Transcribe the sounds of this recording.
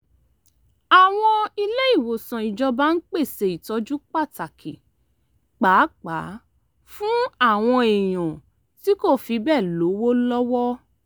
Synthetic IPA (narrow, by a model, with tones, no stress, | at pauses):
a˨w̃ɔ̃˧i˧le˦i˦˨wo˨sã˨i˨d͡ʒɔ˧ba˦n̩˦k͡pe˦˨se˧i˨tɔ˧˦d͡ʒu˦k͡pa˦˨ta˨kʰi˨ | k͡pa˨˦k͡pa˨˦ | fũ˦a˦˨w̃ɔ̃˧e˨j̃ɔ̃˨ | ti˨˦ko˦˨fi˧bɛ˦˨lo˨˦wo˦lɔ˦wɔ˦